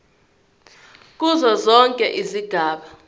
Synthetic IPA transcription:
k̬ʼuzɔzɔŋkʼɛʔiziɡ̥ʱaːɓa

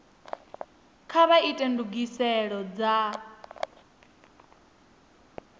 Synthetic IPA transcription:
kʰaβaitʼɛnduɡisɛɺɔd͡za

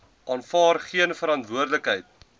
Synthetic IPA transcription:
ʔɑːnfɑːrχiənfəɾɐntvuərdləkɦɛjt̚

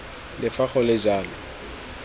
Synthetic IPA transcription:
lɪfaχɔlɪd͡ʒaːlɔ

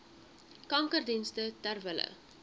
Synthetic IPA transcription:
kɐŋkərdinstətærvələ̰

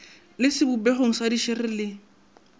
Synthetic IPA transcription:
lɪsɪbubɛχoŋ̩sadiʃɪrɪlɪ

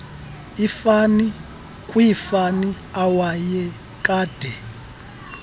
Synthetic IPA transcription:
ifani | kʼwiifani | awajɛ | kʼaːd̥ʱɛ

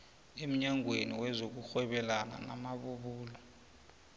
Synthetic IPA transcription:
em̩ɲaŋweniwɛzok̬uxwɛɓɛlana̰na̰maɓuɓuːlɔ

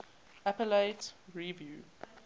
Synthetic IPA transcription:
apəleɪtɹivjuː

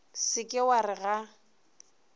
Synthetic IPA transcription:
sɪkʼɪwarɪɣa

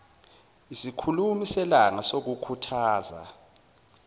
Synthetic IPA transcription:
isikʰulumisɛlaŋasok̬ukʰutʰaːza̰

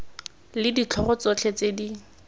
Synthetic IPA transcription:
lɪdit͡ɬʰɔrɔt͡sot͡ɬʰet͡sedi

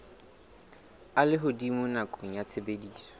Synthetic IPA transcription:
alɪɦʊdimʊnakʼoŋ̩jat͡sʰebediːsɔ̥

